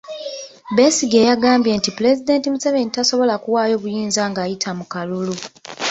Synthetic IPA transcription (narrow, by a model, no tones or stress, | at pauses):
be̞siɡejaɡaːmbje̞ntipule̞zide̞ːntimusaβe̞nitaso̞βo̞lakuwaːjo̞βujiːnzaːŋɡaːjitʰamukalulu